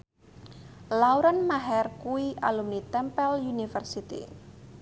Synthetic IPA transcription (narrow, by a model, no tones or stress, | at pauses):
lauɾanmaɦɛrkuialumnit̪ɛmpɛljunifərsit̪ḭ